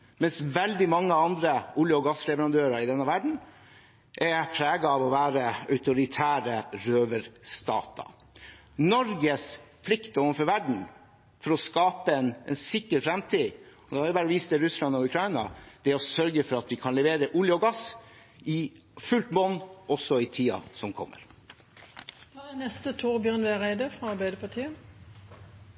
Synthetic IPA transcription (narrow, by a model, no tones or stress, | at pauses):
mɛnsʋɛld̪ɪmɑŋːəɑnd̪ɾəʊːljəɔɡɑsɾɛʋəɾɑnd̪øːɾɑɪd̪ɛnːəʋæɖɳ̩ | ʔɛpʰɾæːɡɑɑʋɔʋæːɾəœʉt̪ʊɾɪt̪ʰæːɾəɾøːʋəɾst̪ɑ̰ːt̪ɑ̰ | nɔɾɡəspʰlɪkt̪ɔːʋənfɔɾʋæɖɳ̩ | fɔɾɔskɑːpəɛnɛnsɪkːəɾfɾɛmt̪ʰiːɔd̪ɛhæbɑːɾɔʋiːsəd̪ɛɾʉslɑnɔʉkʰɾɑɪnɑd̪̥ɛɔsœɾɡəfɔɾɑt̪ʋɪkʰɑnlɛʋeːɾəʔuːljəɔɡɑs | ɪ | fʉlt̪bɔnɔsːɔɪt̪ʰiːɑ̰sɔmkʰɔ̰mːə̰ɾ | ɑd̪ɛnɛst̪ət̪ʰuːʁbjœnʋɛʁæɪd̪əfɾɑɑɾbæɪd̪əpɑt̪ʰiːə